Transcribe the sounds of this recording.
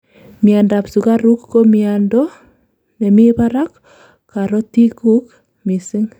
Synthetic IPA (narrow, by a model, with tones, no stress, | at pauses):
mianda˨psu˨ka˦ɾu˦kːomiandɔ | ne˨mi˦paɾakː | aɾɔ˦ti˦ku˦k | mi˨si˦ŋ